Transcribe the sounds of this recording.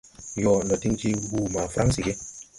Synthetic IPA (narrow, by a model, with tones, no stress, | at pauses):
jɔ˨ndɔ˨ti˦ŋt͡ʃi˦ɡuː˦˨ma˨fɾʔa˦ŋsi˨ɡe˦